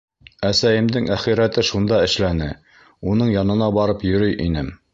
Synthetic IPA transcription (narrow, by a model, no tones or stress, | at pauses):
æsæjɘ̆md̪ɘŋʔæχiɾæt̪ɘʃund̪ɑɘ̆ʃlænɘ | unɤɴjɑnɤ̆nɑbɑɾɤpjɵ̆ɾɵjʔinɘm